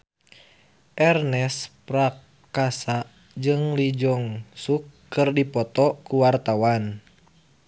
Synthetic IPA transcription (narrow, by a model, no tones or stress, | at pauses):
ʔɛrnɛspɾak | kasaʔ | d͡ʒɨŋlid͡ʒɔŋsukːɨrdipɔt̪ɔkuwart̪awan